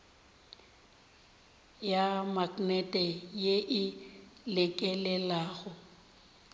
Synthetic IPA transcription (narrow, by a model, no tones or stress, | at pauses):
jamaknɛtʼɛjeʔɪlɛkʼɛlɛlaːɣʊ